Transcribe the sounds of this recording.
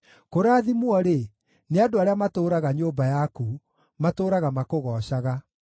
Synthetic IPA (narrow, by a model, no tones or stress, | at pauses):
koɾaːðimwɔɾe | neadoaɾeamatoːɾaɣaɲoːbajaku | matoːɾaɣamakoɣɔːɕaɣa